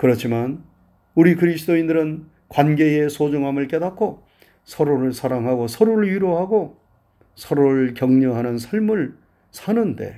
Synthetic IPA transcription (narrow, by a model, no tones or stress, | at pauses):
kɯɾʌt͡ɕʰiman | uɾikɯɾisʰɯdoindɯɾɯn | kwanɡe̞esʰod͡ʑuŋɦamɯɭk͈e̞dakʰo | sʰʌɾoɾɯɭsʰaɾaŋɦaɡosʰʌɾuɾɯɭɥiɾoɦaɡo | sʰʌɾoɾɯɭkjʌŋɲʌɦanɯnsʰʌɭmɯɭ | sʰanɯnde̞̰